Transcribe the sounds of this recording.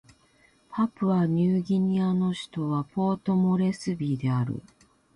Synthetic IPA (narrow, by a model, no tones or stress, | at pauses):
pʰapɯ̟aɲ̟ɨːɡʲiɲ̟iano̞ɕi̥t̪o̞βapo̞ːt̪o̞mo̞ɾe̞sɨbʲiːd̪e̞aɾɯ̰